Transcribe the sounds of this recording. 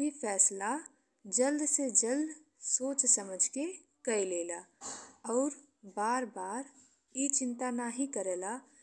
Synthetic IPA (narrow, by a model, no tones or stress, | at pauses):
ifʰɛːsla | d͡ʒəld̪sed͡ʒəld̪ | soːt͡ʃsəməd͡ʒʱke | kəileːlaɔːɾ | baːɾbaːɾ | jit͡ʃɪ̃nt̪anaɦikəɾeːla